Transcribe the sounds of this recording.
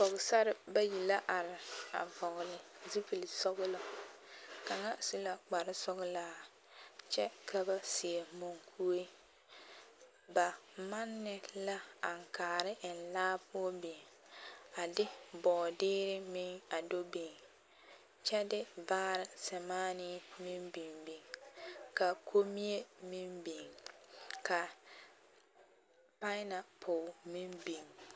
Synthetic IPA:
pɔ˨ɣʊ˨sa˦ɾɪ˦ba˦ji˨la˦ʔa˨ɾɪ˨a̰˨vɔ˨ɣʊ˨lɪ˨zi˦pi˨lɪ˨sɔ˦ɣʊ˦lɔ˨ | ka˨ŋa˦su˦la˨k͡pa˨ɾɪ˦sɔ˦ɣʊ˦laː˦ | t͡ʃɛ˦kʰa˦ba˦sɪ˨e˨mo˨ŋkʰu˦e˦ | ba˨ma˦nːɪ˦la˦a˨ŋ˨kaː˨ɾɪ˦ʔɪ˨n̩˨laː˦pʊ˦o˦be˨ | a˨dɪ˦bɔː˨dɪː˦ɾɪ˦mɪ˦ŋa˨do˦bi˨ŋ | t͡ʃɛ˦dɪ˦baː˦ɾɪ˨sɛ˨maː˦nɪ˦mɪ˦mbi˨ŋbi˨ŋka˨kʰo˦mi˦e˦mi˦mbi˨ŋ | kʰa˨ | pa˦ɪ˦na˨pʰʊ˨mi˦mbi˨ŋ

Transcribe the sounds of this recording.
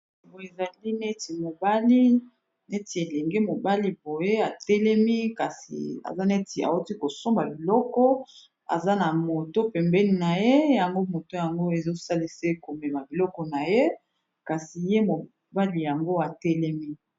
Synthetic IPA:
bo˨e˨za˨li˦nɛ˦ti˨mo˨ba˦li˦ | nɛ˦ti˨e˨lɛ˨ŋɡe˦mo˨ba˦li˦bo˨je˦a˨tɛ˦lɛ˦mi˦ka˨sḭ˨a̰˨za˦nɛ˦ti˨a̰˨wo˦ti˦ko˨so˦mba˨bi˨lɔ˦kɔ˦ | a̰˨za˦na˨mo˨to˦pɛ˨mbɛ˦ni˨na˨je˦ja˨ŋɡo˦mo˨to˦ja˨ŋɡo˦e˨zo˦sa˦li˦se˦ko˨mɛ˨ma˨bi˨lɔ˦kɔ˨na˨je˦ | ka˨si˨je˦mo˨ | ba˦li˨ja˨ŋɡo˦a˨tɛ˦lɛ˦mi˦

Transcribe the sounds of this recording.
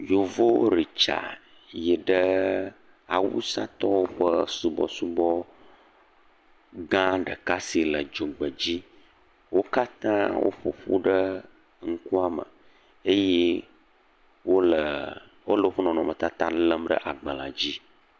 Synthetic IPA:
jo˨vo˦ɾi˨t͡ʃa̰˨ | jɛ˨ɖə˦ | a̰˨wṵ˦sa˦t̪ɔ˦wo˦ɸə˦su˨bɔ̰˦su˦bɔ˦ | ɡã˦ɖə˨ka˦si˨lə˨d͡ʒo˨ɡ͡bə˨d͡ʑi˦ | wo˦ka˦t̪ã˦wo̰˦ɸo̰˨ɸṵ˦ɖə˦ | ŋ̩˦ku˦a˦˨mə̰˨ | e˦je˦ | wo˦lə˨ | wo˦lə˨wo˦ɸə˦nɔ̃˨nɔ̃˨mə˨t̪a˦t̪ã˦lə˦mɖə̰˦ʔa˨ɡ͡bə˨la̰˨d͡ʑi˦

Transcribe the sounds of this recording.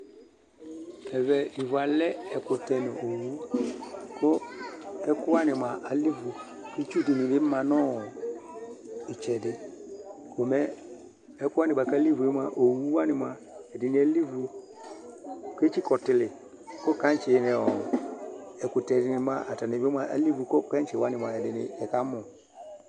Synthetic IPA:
ɛ˨vɛ˨li˨vu˨a˨lɛ˦ɛ˨kʊ˨tɛ˨nɪ̃˨ʔo˨wu˦ | kʰʊ˦ɛ˦kʊ˦a˦nɪ̃˨mã˨ʔa˨li˦vu˨ke˦t͡ʃu˦dɪ˨nɪ̃˨bɪ˦mã˨nɔ̃˦˨ | ɪ˨t͡ʃɛ˨dɪ˨ | ko˨mɛ˦ | ɛ˦kʊ˦a˦nɪ̃˨ba˨ka˦li˦vu˨e˦mã˨ʔo˨wu˦wa˦nɪ˨m˨a˨ | ɛ˨dɪ˨nɪ̃˨ɛ˨˦li˦vu˨ | ke˦t͡ʃi˦kɔ˨tɪ˨lɪ˨ | kɔ˦ka˨˦t͡ʃɛ˨nɪ̃˨ɔ˨ɛ˨ku˨tɛ˨dɪ˨nɪ˨˦mã˨˦ʔa˨ta˨nɪ˨bɪ˦m˦a˨˦ʔa̰˨li˦vu˨kɔ˦ka˦n˦t͡ʃɛ˨wa˦nɪ̃˨m˨ã˨ɛ˨dɪ˨nɪ̰̃˨ɛ˨ka˦mɔ̃˨

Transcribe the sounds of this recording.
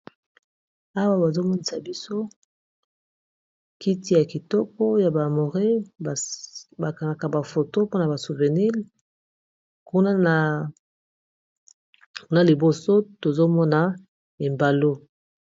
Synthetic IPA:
a˦wa˦ba˨zo˦mɔ˦ni˨sa˨bi˦so˦ | ki˦ti˦ja˨ki˨tɔ˦kɔ˦ja˨ba˨mo˨ʁe˦˨ | ba˨ka˨ŋa˨ka˨ba˨fo˨to˦po˦na˨ba˨su˨ve˨ni˦l | ku˦na˦na˨ | ku˦na˦li˨bo˨so˦to˨zo˦mɔ˦na˨ | e˨mba˨lo˦

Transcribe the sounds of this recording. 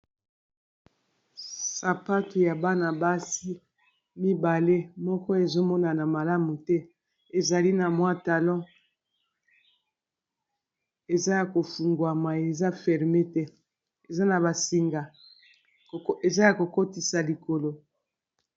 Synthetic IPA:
sa˨pa˦tu˨ja˨ba˦na˨ba˦si˦ | mi˦ba˨le˦mɔ˦kɔ˦e˨zo˦mɔ˦na˨na˨ma˨la˦mu˨tɛ˦ | e˨za˨li˦na˨mwa˦ta˨lɔ̃˦ | e˨za˦ja˨ko˨fu˨ŋɡwa˨ma˨e˨za˦fɛ˨ʁme˦tɛ˦ | e˨za˦na˨ba˨si˨ŋɡa˨ | e˨za˦ja˨ko˨ko˦ti˨sa˨li˨ko˨lo˨

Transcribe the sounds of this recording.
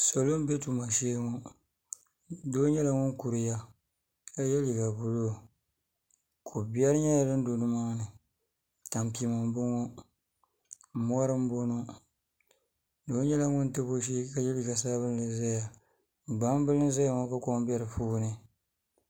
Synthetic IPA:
so˨lo˦m˦be˦tu˨ma˨ʃe˦ŋo˦ | do˦ɲɛ˦la˨ŋʊ˦n˦ku˨ɾɨ˨ja˦ | ka˦jɛ˦li˨ɡa˨bʊ˨lo˦˨ | kʰo˨bjɛ˦ɾɨ˦ɲɛ˦ja˨dɨ˦n˦do˨nɨ˦ma˦ŋ˦nɨ˨ | ta˨mpi˨ma˨m˦bɨ˦ŋo˦˨ | mɔ˦ɾɨ˦m˦bo˦no˦ | doː˦ɲɛ˦la˨ŋʊ˦ntɨ˦bo˦ʃ̬i˦ka˦jɛ˦li˨ɡa˨saː˦βɨ˦llɨ˨za˦ja˨ | ɡ͡ba˦m˦bɨ˦lɨ˦za˦ja˨ŋo˦ka˦ko˦m˦bɛ˦ɾɨ˨fuː˦nɨ˦

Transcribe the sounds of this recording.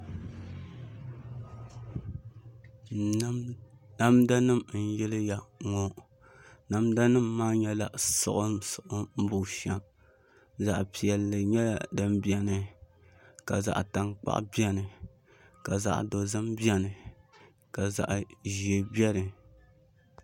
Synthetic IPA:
na˦mda˦nɨ˦mn̩˦jɛ˦lɨ˦ja˨ŋɔ˦ | na˨mda˦nɨ˦mːaː˦ɲɛ˦la˨sʊ̰˨ʔʊ˦sʊ˨ʔʊ˦m̩˦bʊ˨ʃa˦m | za˨ʔpi˨ɛ˨lːɨ˨ɲɛ˦la˨dɨ˦mbi˦ɛ˨nɨ˨ | ka˨za̰˨ʔta˨ŋk͡pa̰˦ʔbi˦ɛ˦nɨ˨ | ka˨za̰˨ʔdo˨zɨ˦mbi˦ɛ˦nɨ˨ | ka˨za̰˨ʔʒi˨e˨bɛ˦ɾɨ˨

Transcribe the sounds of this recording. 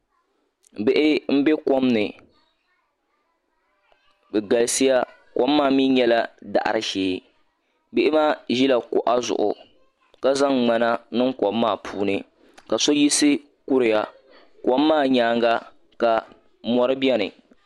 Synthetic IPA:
bɪ˦ʔɪ˦m̩˦be˦ko˦mnɨ˨ | bɛ˨ɡa˨lɨ˦si˦ja˦ | ko˦mːaː˦˨mi˦ɲɛ˦la˦da̰˨ʔa̰˨ɾɨ˦ʃeː˨ | bɪ˦ʔɪ˦maː˦˨ʒi˦la˨ko̰˨ʔa˦zʊ̰˨ʔʊ̰˨ | ka˦za˦ŋŋ͡ma˦na˦nɨ˦ŋkɔ˨mːaː˦˨pʰuː˦nɨ˦ | ka˨so˦ji˦sɨ˦ | ku˦ɾɪ˨ja˦ | ko˦mːaː˦˨ɲaː˨˦ŋɡa˦ | ka˨ | mɔ˦ɾɨ˦bɛ˦nɨ̰˨

